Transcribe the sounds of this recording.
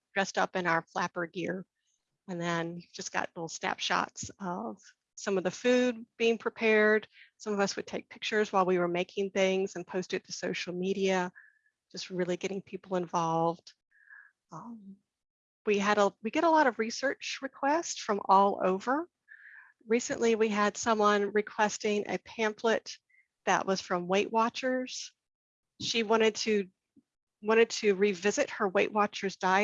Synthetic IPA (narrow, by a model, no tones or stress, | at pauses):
d̥ɹɛstʌpɨ̃ñaʊə˞flæpə˞ɡɪɹ | ɨ̃nðɨ̃njivd͡ʒʌsɡ̥ɑ̰tlɪɾl̩ˠsnæ̰pʃɑ̰tsʌv̥ | sʌ̃mʌvðɨfʉd̚b̥iɪ̃ŋpʰɹ̥ipʰɛɹd̥sʌ̃mʌvʌswɨd̚tʰeɪk̚pʰɪk̚t͡ʃə˞zwaɪlˠwiwə˞meɪkʰɪ̃ŋθɪ̃ŋzɨ̃npʰoʊstɨd̚tʰɨsoʊʃl̩ˠmiɾiɨ | d̥d͡ʒ̥ʌst̚ɹɪlˠiɡɛɾɪ̃ŋpʰipl̩ˠə̃ɱvɑlˠvd̥ | ʌ̃m | wiɨɾəwiɡɑɾəlɔɾʌvɹisɜ˞t͡ʃɹɨkʰw̥ɛstfɹʌ̃mʔɔlˠo̰ʊvə˞ | ɹisɨ̰̃nʔliwiɨd̥sʌ̃mwʌ̃nɹɨkʰw̥ɛstɪ̃ŋʔɨ̰pʰæ̃mpʰlɨt̪̚ | ðɨ̰ʔwʔʌz̥fɹʌ̃mweɪʔwɑt͡ʃə˞z̥ | ʃiwɑ̃ɾ̃ɨd̚tʰɨ | wɑ̃ɾ̃ɨd̚tʰɨɹivɪzɨt̚hə˞weɪʔwɑt͡ʃə˞zdaɪ